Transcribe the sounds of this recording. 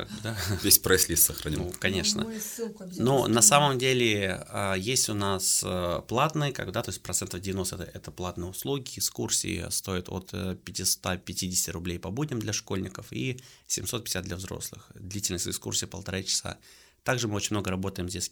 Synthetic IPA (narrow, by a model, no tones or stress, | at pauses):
ka̰ɡ̚bd̪avʲesʲpɾɛsʲlʲissəxɾɐnʲikɐnʲe̞ʂnə̰ | nunɐsaməmdʲelʲɪəjesʲtʲʊnasplˠat̪nɨjəka̰ɡ̚bɨd̪at̪o̞ɪsʲtʲpɾɐt̪sɛnt̪əvdʲɪvʲɪnost̪ɛəɛt̪əplˠat̪nɨjʊslˠuɡʲɪɪkskursʲḭɪ̰st̪o̞ɪt̪ʰo̰t̪pʲɪtʲɪst̪apʲɪtʲidʲɪsʲtʲɪɾʊblʲejpɐbudʲnʲɪmd̪lʲɐʂkolʲnʲɪkəfḭsʲɪmʲso̞t̪pʲɪ̥ɪsʲat̪d̪lʲɐvzɾo̞̰slˠɨ̰xd̪lʲitʲɪlʲnəsʲtʲɪkskṵrsʲijəpəlˠt̪ɐɾat͡ɕɪ̥sa̰ | t̪aɡʐɨmɨot͡ɕɪnʲmno̞ɡəɾɐbo̞t̪əjɪmzʲdʲesʲ